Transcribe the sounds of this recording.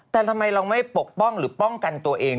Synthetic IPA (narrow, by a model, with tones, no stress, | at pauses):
t̪ɛː˨˩t̪ʰa˧mːa˧jla˧wma˥˩jpo˨˩k̚pɔ˥˩ŋɾɯː˩˦pɔ˥˩ŋka˧nt̪u˧ɐʔeː˧ŋ